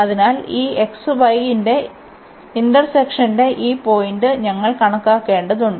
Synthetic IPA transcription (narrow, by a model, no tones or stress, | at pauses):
ɐðinaːliːeksɨbɐjinde̞ | ind̪ɐrsekʂɐnde̞ʔiːpo̞ːjindɨɲɐŋːɐɭkɐɳɐkːaːkːe̞ːɳɖɐðuɳɖɨ